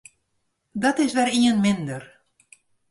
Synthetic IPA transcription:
dɔtɪsʋɛɾiənmɪndər

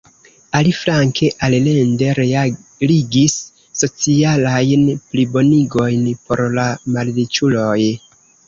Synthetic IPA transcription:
alifɾaŋke̞ʔalle̞nde̞ɾeliɡisː | o̞t͡sialajnplibo̞niɡo̞jnpo̞ɾlamallit͡ʃulo̞j

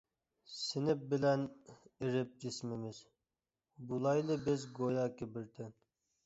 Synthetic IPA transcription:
sɪnɪp̚bɪlɛniɾɪp̚d͡ʒismɪmɪz | bulˠɑjlˠɨbɪzɡojɑkʲʰɪbɪɾt̪ʰɪn

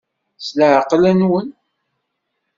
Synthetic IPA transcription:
sləʕqlænwən

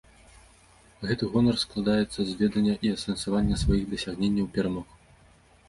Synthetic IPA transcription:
ɣɛt̪ɨɣɔnɐrsklˠad̪ajɛt̪sːɐzʲvʲɛd̪ɐnʲːɐʔiɐsɐnsavanʲːɐsvajiɣd̪ɐsʲaɣnʲenʲːɐwpʲɛɾamɔx

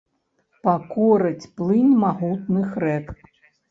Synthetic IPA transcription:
pakɔɾɐt͡sʲplˠɨnʲmaɣut̪̚nɨxɾɛk

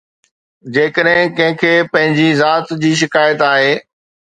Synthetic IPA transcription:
d͡ʑeːkəɗɦɪ̃kɐ̃ɦɪ̃kʰeːpɐ̃ɦɪ̃ɲd͡ʑizaːt̪d͡ʑiːʃ̬ɪkaːjət̪aːɦeː

